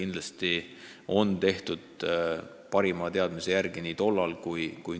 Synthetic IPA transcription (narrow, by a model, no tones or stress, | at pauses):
ind̪̥lɑst̪i | o̞nt̪e̞ht̪ud̪̥ | pɑɾimɑːt̪e̞ɑd̪mise̞jærɡ̥iniːt̪o̞lːɑlkujkuj